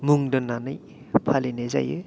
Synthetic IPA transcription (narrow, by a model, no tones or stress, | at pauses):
muŋdɔnːanɯj | pʰalineza̰jɯ